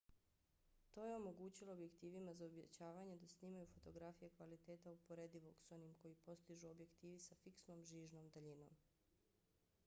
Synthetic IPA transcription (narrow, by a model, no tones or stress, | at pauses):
t̪o̞ːjeo̞mo̞ɡuːt͡ɕilˠo̞ːbje̞kt̪iːʋimazaobjet͡ɕaːʋaɲe̞d̪asniːmajufo̞t̪o̞ɡɾafijekʋalit̪eːt̪aupo̞ɾe̞d̪iʋo̞kso̞nimko̞jipo̞st̪iʒuobje̞kt̪iːʋisafiksno̞ːmʒiːʒnomd̪aʎino̞̰m